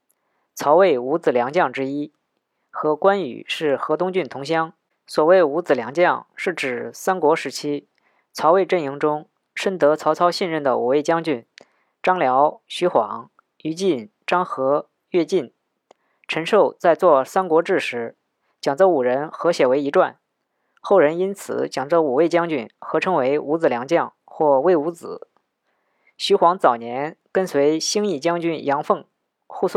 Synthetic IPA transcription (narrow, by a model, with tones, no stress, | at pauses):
t͡sʰɑ˧˥ʊwe˥˩ɪu˧˥t͡sɹ̩˨˩ljɑ˧˥ŋt͡ɕjɑ˥˩ŋʈ͡ʂɻ̩˥i˥ | xɤ˧˥kwa˥ny̰˨˩ʂɻ̩˥˩xɤ˧˥t̪ʊ˥ŋt͡ɕy˥˩nt̪ʰʊ˧˥ŋɕjɑ˥ŋ | swɔ˨˩we˥˩ɪu˧˥t͡sɹ̩˨˩ljɑ˧˥ŋt͡ɕjɑ˥˩ŋʂɻ̩˥˩ʈ͡ʂɻ̩˨˩sa˥nkwɔ˧˥ʂɻ̩˧˥t͡ɕʰi˥ | t͡sʰɑ˧˥ʊwe˥˧ɪʈ͡ʂə˥˩ni˧˥ŋʈ͡ʂʊ˥ŋ | ʂə˥nt̪ɤ˧˥t͡sʰɑ˧˥ʊt͡sʰɑ˥ʊɕi˥˧nɻə˥˩nd̪ə˩ṵ˨˩e˥˩ɪt͡ɕjɑ˥ŋt͡ɕy˥˩n | ʈ͡ʂɑ˥ŋljɑ˧˥ʊɕy˧˥xwɑ˧˩˦ŋ | y˧˥t͡ɕi˥˩nʈ͡ʂɑ˥ŋxɤ˧˥ | ɥɛ˥˧t͡ɕi˥˩n | ʈ͡ʂʰə˧˥nʂo˥˧ʊt͡sa˥˧ɪt͡swɔ˥˩sa˥nkwɔ˧˥ʈ͡ʂɻ̩˥˩ʂɻ̩˧˥ | t͡ɕjɑ˨˩ŋt͡sɤ˥˩u˨˩ɻə˧˥nxɤ˧˥ɕjɛ˨˩we˧˥ɪi˧˥ʈ͡ʂwa̰˥˩n | xo˥˩ʊɻə˧˥ni˥nt͡sʰɹ̩̰˨˩˦t͡ɕjɑ˨˩ŋt͡sɤ˥˩u˨˩we˥˩ɪt͡ɕjɑ˥ŋt͡ɕy˥˩nxɤ˧˥ʈ͡ʂʰɤ˥ŋwe˧˥ɪu˧˥t͡sɹ̩˨˩ljɑ˧˥ŋt͡ɕjɑ˥˩ŋ | xwɔ˥˩we˥˩ɪu˧˥t͡sɹ̩˨˩˦ | ɕy˧˥xwɑ˧˥ŋt͡sɑ˨˩ʊnjɛ˧˥nkə˥nswe˧˥ɪɕi˥ŋi˥˩t͡ɕjɑ˥ŋt͡ɕy˥˩njɑ˧˥ŋfɤ˥˧ŋ | xu˥˧su˥˩